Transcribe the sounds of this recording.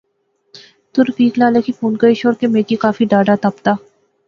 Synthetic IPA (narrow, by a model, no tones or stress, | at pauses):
t̪ʊɾfiːklaːlekipuːnkəiʃoːɾkemeːkikaːfiɖaːɖat̪ɐpt̪aː